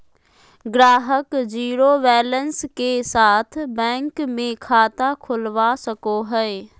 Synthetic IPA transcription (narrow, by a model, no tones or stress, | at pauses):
ɡɾaːɦəkd͡ʒiːɾoʋɛːlənskesaːt̪ʰbɛ̃ːŋkmẽkʰaːt̪akʰʊlʋasəkoɦɛ